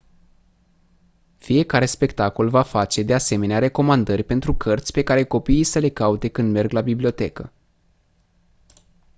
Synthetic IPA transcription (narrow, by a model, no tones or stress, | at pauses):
fije̞kaɾe̞spe̞kt̪ako̞lvafat͡ʃe̞d̪e̞ase̞me̞neaɾe̞ko̞mand̪ərʲpe̞nt̪ɾukʰərt̪sʲpe̞kaɾe̞ko̞piijsəle̞kaut̪e̞kɨnd̪me̞rɡlabiblio̞t̪e̞kə